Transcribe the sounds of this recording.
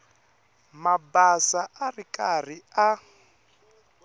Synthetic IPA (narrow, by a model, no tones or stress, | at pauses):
mabasaʔarikar̤ia